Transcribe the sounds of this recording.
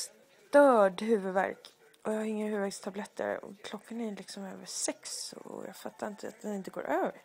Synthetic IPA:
s | t̪œːɖhʉ̟ːvɵd̪væ̰ɾk | ʔɔjahaɾɪŋːahʉːvæɾkst̪ʰablɛt̪ʰːə̰ɾɔ̰kʰlɔkʰːanælɪksɔmøːvəʂɛksɔ̰jɑ̰ːɡfat̪ʰːaɾɪnt̪ʰəa̰t̪̚d̪ɛnɪnt̪əɡo̰ːɾʔøːvəɾ

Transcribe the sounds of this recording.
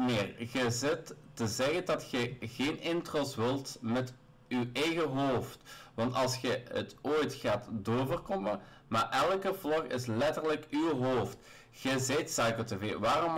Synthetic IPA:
meːrɣəzɪtːəzɛɣədɑtxɛɣeːnʔɪntroːsʋɪlˠtmɛt | ywɛjɣəɦoːftʋɑntɑlˠsxəə̰toːjtxaːtdoːvərkɔmə | maːɹʔɛlˠkəvlɔxɪ̰slɛtərləkywɦoːft | ɣəzeːtsajkəteveːʋaːrɔm

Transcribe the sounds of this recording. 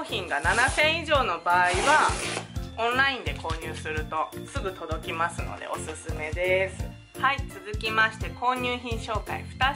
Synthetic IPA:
çĩŋɡananasẽ̞ɰ̃iʑo̞ːno̞baːiβa | õnɾaĩnd̪e̞ko̞ːɲ̟ɨːsɨɾɯ̟t̪o̞sɨɡɯ̟t̪o̞d̪o̞kʲimasɨno̰d̪ḛo̞̰sɨsɨme̞d̪e̞sɨ̥ | hait͡sɨzɨkʲimaɕi̥t̪e̞ko̞ːɲ̟ɨːçĩɰ̃ɕo̞ːka̰ḭɸɯ̟̥t̪a

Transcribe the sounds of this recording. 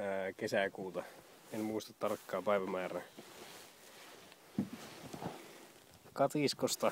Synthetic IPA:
kesækuːt̪ɑ | enmuist̪ɑ̥t̪ːɑrkːɑːpæiʋæmæːɾæ | kɑt̪iskost̪ɑ

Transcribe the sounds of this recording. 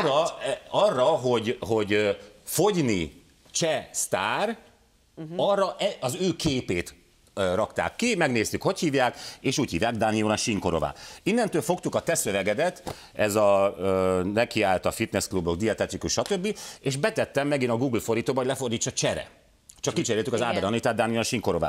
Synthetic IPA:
rɒrːɒɦo̞ɟɦo̞ɟøfo̞ɟni | t͡ʃɛst̪aːr | ɒrːɒʔɛɒzøːkeːpeːt̪ | ørɒkt̪a̰ːkːimɛɡneːst̪ykho̞chiːvjaːkeːʃuːchiːvjaːɡd̪aːnijoːnɒʃiŋkoɾo̰va̰ːinːɛnt̪øːlfo̞kt̪ukɒt̪ɛsø̞vɛɡɛd̪ɛt̪ | ɛzɒøːnɛkiaːlt̪ɒfit̪nɛskluboɡd̪iɒt̪ɛt̪ikuʃʃɒt̪ø̞bːieːʃbɛt̪ɛt̪ːɛmːɛɡinɒɡuːɡlfo̞ɾiːt̪oːbɒɦolɛfo̞rd̪iːt͡ʃːɒt͡ʃɛɾɛ̰ | t͡ʃɒkkːit͡ʃɛɾeːlt̪ykɒzaːbɛɾɒnlit̪aːd̪d̪aːnijonʃiŋko̞ɾo̞̰va̰ː

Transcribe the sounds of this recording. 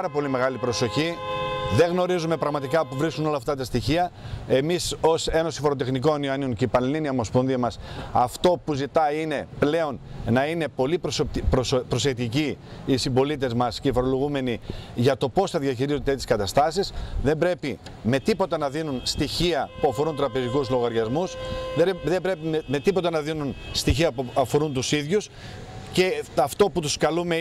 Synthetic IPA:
ɐɾɐpo̞lime̞ɣɐlipɾo̞so̞çiðe̞ɣno̞ɾizume̞pɾɐɣmɐt̪ikɐpuvɾiskuno̞lɐːft̪ɐt̪ɐst̪içiɐe̞miso̞se̞no̞sifo̞ɾot̪e̞xniko̞nioɐnionceipɐnɐliniɐomo̞sponðiɐmɐsɐft̪o̞puzit̪ɐine̞ple̞o̞nnɐine̞po̞lipɾspɾo̞sekt̪iciː | simbo̞lit̪̬e̞zmɐsceifo̞ɾo̞lo̞ɣume̞niʝɐt̪o̞po̞sθɐðʝɐçiɾizot̪et̪iskɐt̪ɐst̪ɐsisðe̞mbɾe̞pi | me̞t̪ipo̞t̪ɐnɐðinunst̪içiɐpuɐfo̞ɾunt̪ɾɐpe̞zikuzlo̞ɣɐɾʝɐzmusðeðebɾe̞pieme̞t̪ipo̞t̪ɐnɐðinunst̪içiɐpɐfo̞ɾunt̪usiðʝus | ce̞ɐft̪o̞put̪uskɐlume

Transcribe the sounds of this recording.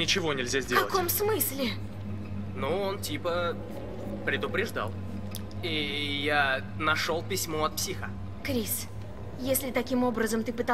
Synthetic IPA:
nʲɪt͡ɕɪvo̞nʲɪlʲzʲazʲdʲekɐlˠəko̞msmɨsʲlʲɪ | nuo̞ntʲipə | pɾʲɪd̪ʊpɾʲɪʐd̪a̰lˠ | ija | nɐʂo̞lˠpʲɪsʲmoɐt̪̚psʲixə | kɾʲis | jesʲlʲɪt̪ɐkʲimo̞bɾəzəmt̪ɨpɨt̪a

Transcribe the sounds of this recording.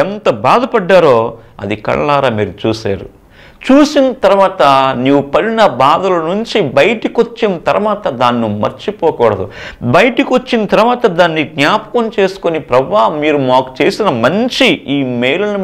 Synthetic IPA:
ɛnt̪ɐbaːd̪ɐpɐɖːaːɾo̞ː | ɐ̰d̪ikɐ̰ɭlaːɾaːmiːɾut͡ʃuːsa̰ːɾṵ | t͡ʃuːsinɐt̪ɐɾuʋaːt̪ɐniːʋupɐɽinɐbaːd̪ɐlɐnuɲt͡ʃibɐjɐʈikʋot͡ʃːinɐt̪ɐɾɐʋaːt̪ɐd̪aːnːumɐ̰ɾt͡ʃipɔːkɔːɽɐd̪ṵ | bɐjʈikʋot͡ʃːinɐt̪ɐɾuʋaːt̪ɐd̪aːnːiɡnjaːpɐ̥kɐmt͡ʃe̞ːsu̥konipɾɐʋaːɦmːiːɾumaːku̥t͡ʃe̞ːsinɐmɐɲt͡ʃiiːmeːjlɐnu

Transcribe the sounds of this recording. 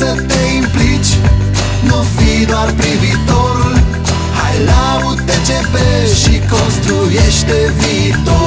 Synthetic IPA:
ɐ̃t̪eĩmplit͡ʃ | novid̪aɾpɾivit̪oɾ | hajla | ut̪et̪epe | ʃikõst̪ɾujeʃt̪evit̪o

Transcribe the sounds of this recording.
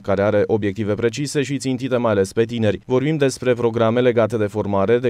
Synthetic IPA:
kaɾe̞aɾe̞ʔo̞bjekt̪ive̞pɾe̞t͡ʃise̞ʃit̪sint̪it̪e̞majale̞spe̞t̪ine̞ɾʲvo̞rbimd̪e̞spɾe̞pɾo̞ɡɾame̞le̞ɡat̪e̞d̪e̞fo̞rmaɾe̞d̪e

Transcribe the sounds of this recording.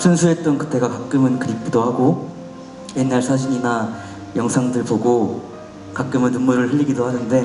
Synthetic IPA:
sʰunsʰue̞t͈onkɯ̥t͈ʰe̞ɡakak͈ɯmɯnkɯɾik̚ʰidohaɡo | je̞nːaɭsʰad͡ʑiɲina | jʌŋsʰaŋdɯɭboɡo | kak͈ɯmɯnːummuɾɯɭɦeʎːiɡidohanɯnde̞

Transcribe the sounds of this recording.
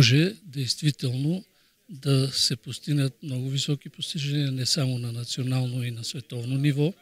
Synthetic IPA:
ʒɛd̪ɛjst̪vit̪ɛlˠno | d̪ɐsɛpost̪iɡnət̪̚mnɔɡʊvisɔkipost̪iʒɛniɐnɛsamonɐnɐt̪sionalˠnoinɐsvɛt̪ɔvnonivɔ

